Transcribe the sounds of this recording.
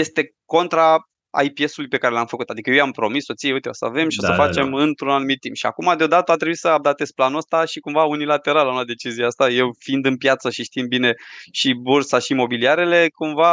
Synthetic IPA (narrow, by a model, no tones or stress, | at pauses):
je̞st̪e̞ | ko̞nt̪ɾa | a̰jpje̞sulujpe̞kaɾe̞lamfəkut̪ad̪ikəjejampɾo̞misːot̪sijeujt̪eosəa̰ve̞mʃiosəfat͡ʃt͡ʃe̞mɨnt̪ɾunalnumit̪ːḭmpʃia̰kumad̪eo̞d̪at̪əat̪ɾebuisəab̚d̪at̪e̞sʲplanuəst̪aʃikumvaunilat̪e̞ɾalaunad̪e̞t͡ʃizieast̪aje̞wfind̪ɨnpjat̪səʃiʃt̪imbine̞ʃibuɾsaʃimo̞biliaɾe̞le̞kumva